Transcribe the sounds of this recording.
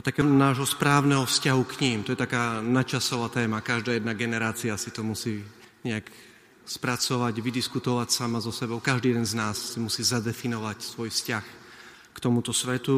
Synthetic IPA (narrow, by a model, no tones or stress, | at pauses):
at̪akɛnaːʒɦɔspɾaːʊnɛɦɔfscaɦukɲiːmt̪ɔjɛt̪akaːnat͡ʃasɔʋaːt̪ɛːmakaʒd̪aːjɛd̪naɡɛnɛɾaːt͡siasit̪ɔmusiː | ɲɛak | spɾat͡sɔʋaɟʋid̪iskut̪ɔʋacsamazɔsɛbɔʊkaʒd̪iːɛd̪ɛnznaːsːimusiːzad̪ɛfinɔʋacsʋɔjfscax | kt̪ɔmut̪ɔsʋɛt̪u